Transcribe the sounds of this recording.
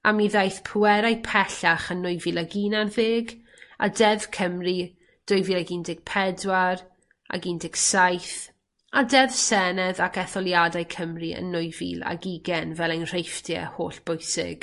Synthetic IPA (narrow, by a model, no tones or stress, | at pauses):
amiðajθpʰʊwɛɾajpʰɛɬaχənːʊɨvilˠaɡiːnarðeːɡ | a̰dɛvkʰəmri | d̥ʊjvilˠaɡindɪɡ̥̚pʰɛdwar | a̰ɡiːndɪɡsajθ | adɛvsɛnɛðakɛθɔlˠjadajkʰəmriə̰nːʊjvḭːlˠa̰ɡiɡɛnvɛlˠejnr̥ejfdjɛ̰ho̰ːɬb̥ʊjsɪ̰ɡ̥